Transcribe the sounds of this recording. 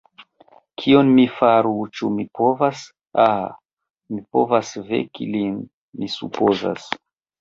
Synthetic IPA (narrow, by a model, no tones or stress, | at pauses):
kʰionmifaɾut͡ʃumipovas | a | mipo̰vasvḛkḭlin | misṵpoza̰s